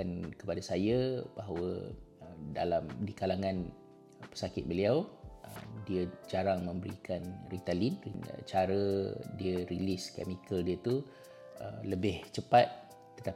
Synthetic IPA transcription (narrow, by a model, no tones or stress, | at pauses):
ankəpadasajabaɦawə | da̰lamdikalaŋãn | pə̥sakɪt̪̚bəliawə̰diəd͡ʒaɾaŋmə̃mbəɾikanrit̪alinn̰t͡ʃaɾədiəɾiliskɛ̰mikəldiət̪u | ə̰mləbɪht͡ʃəpat̪̚ | t̪ːət̪a